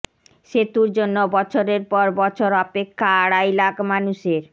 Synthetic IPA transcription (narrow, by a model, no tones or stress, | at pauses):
ʃet̪uɾd͡ʑonːobɔt͡ɕʰoɾeɾpɔɾbɔt͡ɕʰoɾɔpekʰːaaɽajlakmanuʃeɾ